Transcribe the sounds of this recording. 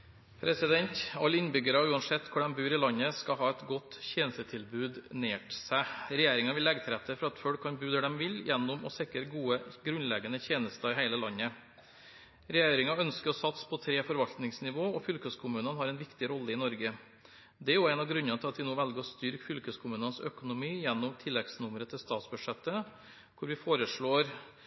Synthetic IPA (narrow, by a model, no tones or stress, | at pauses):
pʰɾɛsɪd̪ɛnt̪ɑlːɪnbʏɡəɾɑʉːɑnsɛt̪ːkʰʊɖɛnbʉːɾɪlɑɲəskɑɦɑːɛt̪ɡɔt̪ːçeːnsət̪ʰɪlbʉːd̪neːʈsæɾɛjeːɾɪŋɑʋɪlːɛɡt̪ʰɾɛt̪ʰːəfɔɾɑɑt̪fœɽkʰːɑnbʉːd̪əd̪ɛmʋɪljɛnːʊmɔ̰sɪkəɾɡuːəɡɾʉnlɛɡənəçeːnəst̪əɾɪɦæɪləlɑɲːə | ɾɛjeːɾɪŋɑœnskəɾɔsɑt̪spʰɔt̪ʰɾeːfɔɾʋɑlt̪nɪŋsnɪʋoːɔfʏlkøskʰʊmʉːnənhɑɾɛnʋɪkt̪ɪɾɔlːəɪnɔɾɡə | d̪ɛæɾjʊæɪnɑɡɾʉnːənt̪ʰɪlɑt̪ʋɪnoːʋɛlɡəɾɔst̪ʏɾkfʏlkøskʰʊmʉːnənsœkʊnʊmiːjɛnːʊmt̪ʰɪlːɛɡsnʊmɾət̪ʰɪlst̪ɑːt̪sbʉʂɛt̪ːə | kʰʊɾʋɪfoːɾəʂɭoːɾ